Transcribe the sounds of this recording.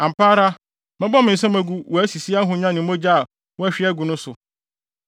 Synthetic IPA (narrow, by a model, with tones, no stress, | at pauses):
ã˨m̩˨pʰaː˦ɾa˦ | mɪ̃˦bɔ˦mɪ̃˨n̩˨sɛ̃˦mæ̃˨ɡu˦wɔ˨æ˦si˨si˦a˦ɦʊ̃˨ɲã˦nɪ̃˨m˦õ˦d͡ʑa˦˨ | wɔ˦æ˦ɕᶣɪ˦ɛ˦ɡu˨nʊ̃˦sʊ˨